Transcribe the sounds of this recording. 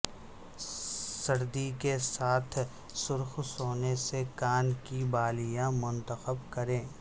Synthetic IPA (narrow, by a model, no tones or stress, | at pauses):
sɐɾd̪ikesaːt̪ʰ | sʊɾxsoːnesekaːnkibaːlijãmʊ̃nt̪əxəbkɐɾẽː